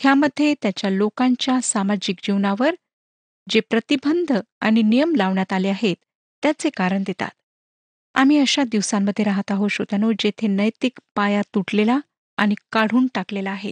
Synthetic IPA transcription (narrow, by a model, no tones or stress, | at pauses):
hʰjaməd̪ʱːjet̪jat͡ɕjalokãɲt͡ɕjasamad͡ʑik̚d͡ʑiʋɳaʋəɾ | d͡ʑepɾət̪ibənd̪ʱ | a̰ɽ̃inijəmlaʋɳjat̪aleaɦet̪ː | jat͡sekaɾəɳd̪et̪a̰t̪ | a̰m̤iːəɕad̪iʋsamːəd̪ʱːjeɾaɦat̪aɦoɕot̪anod͡ʑet̪ʰenəjt̪ikpajat̪uʈlela | a̰ɽ̃ikaɽ̤uːnʈaklelaːɦḛ